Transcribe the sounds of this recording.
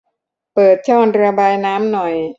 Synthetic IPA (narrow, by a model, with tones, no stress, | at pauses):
pɤː˨˩t̪̚t͡ɕʰɔː˥˩ŋɾɯ˧ɐbaː˧jnaː˦˥mnɔ˨˩j